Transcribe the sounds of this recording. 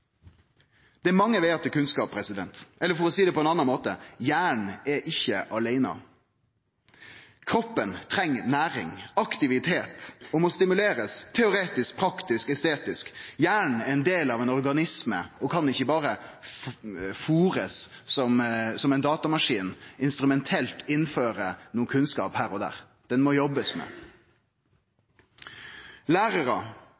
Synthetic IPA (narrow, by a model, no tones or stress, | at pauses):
d̪̥ɛæɾmɑŋːəʋɛɑt̪ːəkʉnskɑːpʰɾɛsɪd̪ɛ̰nt̪ɛlːəɾfɔɾɔsiːd̪ɛpʰɔɛnɑnːɑnmoːt̪əjæːɳ̩ɛɾʔɪçːəʔɑleɪnɑ̰ | kʰɾɔpːənt̪ʰɾɛŋːnæːɾɪ̰ŋɑkt̪ɪʋɪt̪ʰeːt̪ɔmɔst̪ɪmʉleːɾəst̪ʰɛʊɾeːt̪ɪsk̚pʰɾɑkt̪ɪskɛst̪eːt̪ɪskjæːɳɛɛnd̪eːlɑʋɛɪnɔʁɡɑnɪsmə̰ɔkʰɑnɪçːəbɑːʁə | fuːʁəssɔmsɔmɛɪnd̪ɑːt̪ɑmɑʂiːnɪnst̪ɾʉmɛnt̪ʰɛlt̪ɪnːføːɾənuːəkʰʉnskɑ̰ːphæːɾɔd̪æ̰ːɾ | d̪̥ɛnmɔjɔbəsmɛ̰ | læːɾəɾə